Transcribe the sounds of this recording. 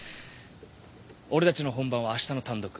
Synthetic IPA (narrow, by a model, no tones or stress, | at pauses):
o̞ɾet̪at͡ɕino̞ɦõ̞mbãɰ̃βaːɕi̥t̪ano̞t̪ãnd̪o̞kɯ̟